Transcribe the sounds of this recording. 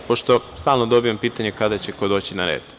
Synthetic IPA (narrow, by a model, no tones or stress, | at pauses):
poʃt̪o̞st̪aːlˠnod̪o̞bijampiːt̪aɲekad̪at͡ɕeko̞d̪o̞ːt͡ɕinaɾḛːd̪